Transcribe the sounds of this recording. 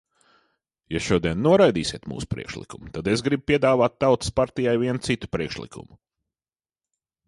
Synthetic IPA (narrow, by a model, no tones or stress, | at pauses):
jaʃuɔd̪iɛnːuɔɾajd̪ḭːsʲiɛt̪mṵːsu̥pɾḭɛkʃlˠḭkumut̪ad̪esɡɾib̚piɛd̪aːvaːt̪̚ːawt̪ɨ̥spaɾt̪ijajviɛnt̪sit̪u̥pɾiɛkʃlˠḭkʰṵmʊ